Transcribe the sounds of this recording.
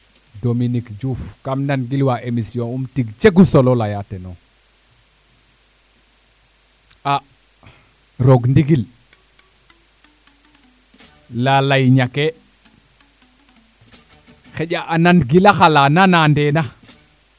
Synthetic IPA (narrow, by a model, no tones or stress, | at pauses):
dominikd͡ʒufkamnanɡilwaʔemisiõumtiɡt͡ʃeɡusololajateno | a | ɾoɡndiɡil | lalajɲake | xeʄaʔananɡilaxalananandena